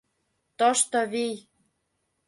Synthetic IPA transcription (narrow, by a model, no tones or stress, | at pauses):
t̪oʃt̪oβij